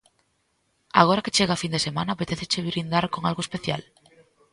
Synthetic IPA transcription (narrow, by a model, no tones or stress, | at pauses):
a̰ɣ̞oɾaket͡ʃeɣaːfind̪esemãnaːpet̪eθet͡ʃeβɾind̪aɾkoŋalɣoespeθja̰l